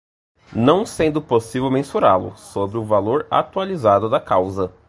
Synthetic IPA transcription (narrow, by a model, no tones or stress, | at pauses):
nɐ̃w̃sẽnd̪ʊposivewmẽsuɾalʊ̰sobɾɪʊvaloɾa̰t̪ualizad̪ʊd̪ɐkawzɐ